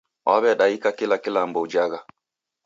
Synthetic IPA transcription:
waβɛɗaikakilakilambɔud͡ʒaɣa

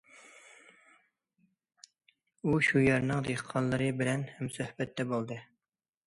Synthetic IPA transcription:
uʃujeɾnɨŋd̪eqʰːɑnlˠːɨɾɨbɪlɛnhɛmsøhbɛt̪ʰːɛbolˠd̪ɨ

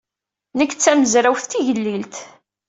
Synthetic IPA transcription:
nəkːt͡sːæməzɾæwθt̪ːiʝəlːilt̪

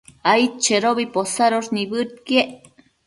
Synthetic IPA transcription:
ajt͡ʃeɾobiposaɾoɾnibɨɾ̚kjeʔ

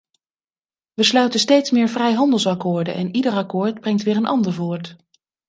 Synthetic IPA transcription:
ʋəslœɥtəstejtsmɪːɹvrɛjɦɑndəlˠsɑkʊːɹdənʔɛnidəɹɑkʊːɹd̚brɛŋtʋɪːɹənʔɑndəɹvʊːɹt

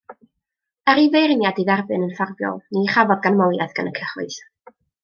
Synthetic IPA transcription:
əɾivejrnjadiðɛrbɨnənfarbjɔ̰lˠniχavɔdɡanmɔwlˠɛðɡ̥anəkʰəχʊ̰ɨs

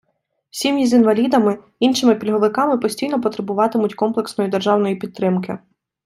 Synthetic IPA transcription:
wsʲimʲizinʋɐlʲid̪ɐmɪ | inʃɪmɪpʲilʲɦɔʋɪkɑmɪpɔsʲtʲijnɔpɔt̪ɾebʊʋɑt̪ɪmʊtʲkɔmplˠe̞ksnɔjid̪erʒɑwnɔjipʲidt̪ːɾɪmkɪ̰

